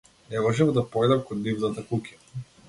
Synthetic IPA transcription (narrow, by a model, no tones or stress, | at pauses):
nɛmɔʒɛmd̪apɔjd̪amkɔd̪nivnat̪akukʲa